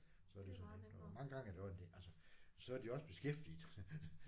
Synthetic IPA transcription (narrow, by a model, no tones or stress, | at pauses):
sɒ̽æd̥esɒned̥mɑ̈ŋəɡ̥ɑ̈ŋæɐd̥eɒend̥eʔælsəsɒ̽æɐd̥iɒ̽sb̥e̝sɡ̥efd̥ið̩ˠ